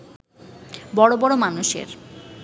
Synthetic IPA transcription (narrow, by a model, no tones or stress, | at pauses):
bɔɽobɔɽomanuʃḛɾ